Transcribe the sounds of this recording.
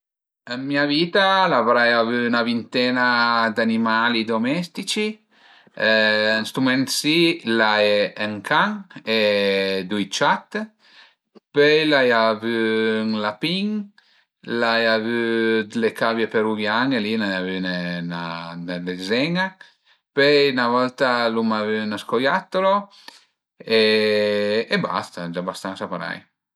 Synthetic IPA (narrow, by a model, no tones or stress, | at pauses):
əmmiavit̪alavɾajavynavint̪ɛnad̪animalid̪omɛst̪it͡ʃi | ənst̪ɾumɛnt̪silaɛəŋkʰaŋed̪ujt͡ʃat̪ | pøjlajavyŋlapiŋ | lajavyd̪lekavjepeɾuɡjaŋelinajavynenanɛlezɛŋa | pøjnavɔlt̪alumavynaskojat̪ːolo | e | eba̰st̪ad͡ʒabast̪ansapaɾa̰j